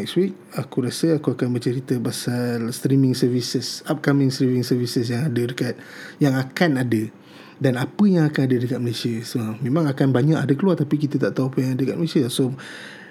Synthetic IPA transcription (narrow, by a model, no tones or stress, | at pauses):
ɛkswik̚akuɾasəakuakanbət͡ʃəɾit̪əpasalst̪ɾimɪŋsərvisəsap̚kamɪ̃ŋst̪ɾimɪŋsərvisəs̬jaŋadədəkat̪̚jaŋakanadə | danapəjaŋakanadədəkat̪̚məlesiasəəmẽmãŋakanbaɲakadəkəluart̪apikit̪ət̪aʔt̪auapəjaŋadədəkat̪̚məlesiaso